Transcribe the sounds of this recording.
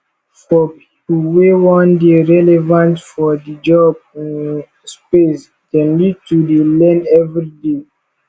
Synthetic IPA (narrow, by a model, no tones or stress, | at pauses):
fɔpʰi̥pulwewɔ̃ndeɹɛlɛvãntfɔdid͡ʒɔb̚ĩn | spes | kɛ̃nbitudelɛ̃ndɛvɹide